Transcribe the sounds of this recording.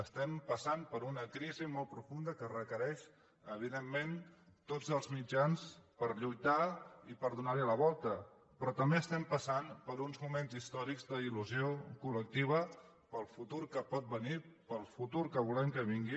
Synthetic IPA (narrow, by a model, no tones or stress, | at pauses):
əst̪ɛmpəsanpəɾunəkɾizimɔl̚ˠpɾufund̪əkərəkəɾɛʃ | əβ̞iðemːen | t̪od͡zəlˠzmid͡ʒanspəɾʎujt̪aipəɾðunaɾliələβ̞ɔlˠt̪ə | pɾɔt̪əmbeəst̪ɛmpəsanpəɾunzmumenzist̪ɔɾikzd̪əiluziokulək̚t̪iβ̞ə | pəlˠfut̪uɾkəpɔt̪̚bənipəlˠfut̪uɾkəβulɛmkəβ̞iŋɡi